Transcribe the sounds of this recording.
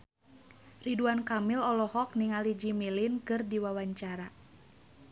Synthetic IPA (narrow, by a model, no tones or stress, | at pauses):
riduankamilɔlɔhɔk̚niŋalid͡ʒimilinkɨrdiwawaɲt͡ʃaɾa